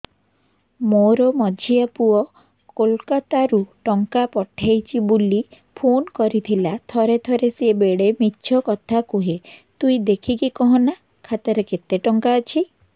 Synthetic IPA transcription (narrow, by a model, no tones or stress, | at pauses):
moɾɔmɔd͡ʒʱiapuɔ | kolkat̪aɾuʈɔŋkapɔʈʰajt͡ʃʰibuli | pʰonkɔɾit̪ʰilat̪ʰɔɾet̪ʰɔɾesebeɽemitːʃʰɔkɔt̪ʰakuɦet̪uid̪ekʰikikɔɦɔ̃na | kʰat̪ɔɾeket̪eʈɔŋkaɔt͡ʃʰi